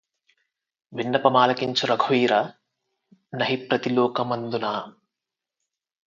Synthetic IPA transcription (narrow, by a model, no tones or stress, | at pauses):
ʋinːɐpɐmaːlɐkiɲt͡ʃuɾɐɡʱʋiːɾɐ | nɐɦipɾɐt̪ilɔːkɐmɐnd̪unaː